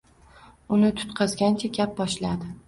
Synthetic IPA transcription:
ʊnɪt̪ʰʊ̥t̪qʰɑzɡʲant͡ʃʰaɡʲap̚bɒʃlad̪ɪ

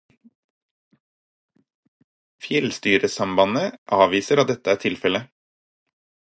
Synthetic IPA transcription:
fjɛlst̪yːɾəsɑmbɑnəʔɑːʋiːsəɾɑt̪̚d̪ɛt̪əæːʈ̪ʰɪlfɛlə

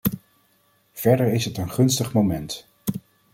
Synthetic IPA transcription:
v̥ɛɹdəɹɪsɦətənχɵnstəχmomɛnt

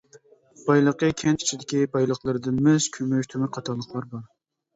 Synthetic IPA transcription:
b̥ɑjlˠəqəkʲʰɛnt͡ʃi̥t͡ʃʰid̪ɪkʲibɑjlˠəχlˠɨɾɨd̪ɨnmɛz̥kʲʰømyʃt̪ʰømɪqʰɑt̪ʰɑlˠːəχlˠɑɾbɑɾ

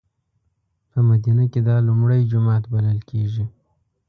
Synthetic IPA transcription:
pəmad̪inaked̪ɑlʊmɽəjd͡ʒʊmɑt̪baləlkʰeʒi

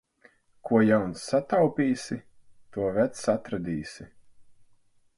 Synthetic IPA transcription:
kuɔjawnsːat̪awpʲiːsʲi | t̪uɔvɛt̪sat̪ɾad̪iːsʲi

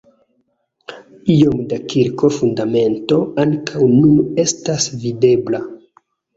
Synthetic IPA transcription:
io̞mdakiɾko̞fundame̞nto̞aŋkʰawnune̞stasvide̞bla

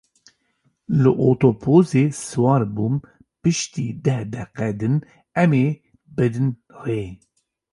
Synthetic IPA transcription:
lɨʔoːt̪opʰoːzeːsɨwɑːɾbuːm | pɨʃt̪iːd̪ɛhd̪ɛqɛd̪ɨn | ɛmeː | bɨd̪ɨn | weː

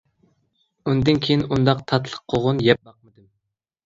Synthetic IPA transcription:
und̪ɪnkʲʰejinund̪ɑqt̪ʰɑt̪ʰlˠə̥qqʰːoʁʊnjɛp̚bɑq̚mɨd̪ɨm

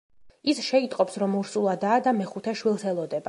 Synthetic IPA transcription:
isʃɛit̪ʼqʼɔpsɾɔmuɾsulˠad̪aːd̪amɛχut̪ʰɛʃwilˠsɛlˠɔd̪ɛba

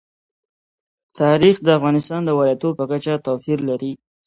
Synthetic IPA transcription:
t̪ɑɾixd̪əafɣɑnɪst̪ɑnd̪əwɑlat̪opəkat͡ʃat̪afiɾlaɾi

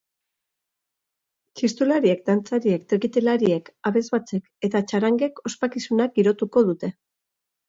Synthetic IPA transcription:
t͡ʃist̪ulaɾie̞k̚d̪ant͡saɾie̞k̚t̪eɣit̪elaɾie̞kaβe̞zβat͡se̞ke̞t̪at͡ʃaɾaŋɡe̞ko̞spakisunak̚ɡiɾo̞t̪uko̞ð̞ut̪e̞

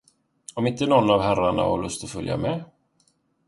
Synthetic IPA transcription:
ɔmɪnt̪ənɔnːavɦæɾaɳa̰hɔ̰ɭɵst̪ɔfɵlja̰mɛ

